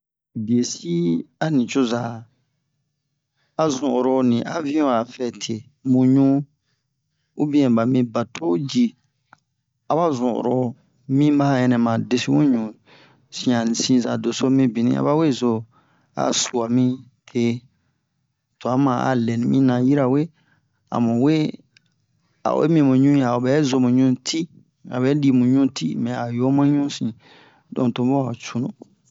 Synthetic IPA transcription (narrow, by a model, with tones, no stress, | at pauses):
bi˨e˨si˦a˦nĩ˨t͡ʃo˦za˨ | a˨zũ˨ʔɾo˨nĩ˨ʔa˦vĩ˦ɔ̃˨a˨fɛ˦˨tʰe˨ | mũ˨ɲũ˦ | u˦bĩ˦ɛ̃˨ba˨mĩ˦ba˨tʰo˦d͡ʒi˦ | a˨ba˦zũ˨ʔo̰˨ɾo˨ | mĩ˦ma˦˨jɛ̃˨nɛ̃˨mã˨de˦si˦wũ˦ɲũ˨ | sĩ˦ã˨nĩ˨sĩ˦za˨do˨so˦mĩ˦bi˨nḭ̃˦a̰˦βa˦we˦˨zo˦ | a̰˨su˨a˨mĩ˦ | tʰe˦ | tu˨a˨˦mã˨a̰˨lɛ˨nĩ˨mĩ˦nã˨ji˦ɾa˨we˦ | a̰˨mũ˨we˦ | a̰˨ḛ˦mĩ˦˨mũ˨ɲũ˦ja˨o˨bɛ˨˦zo˦mũ˨ɲũ˦tʰi˦ | a̰˨bɛ˦di˦mũ˨ɲũ˦tʰḭ˦mɛ̃˨a˨jo˦mã˦ɲũ˦sĩ˨ | dõ̰˨tõ˨˦bo˦a˨t͡ʃu˨nũ˨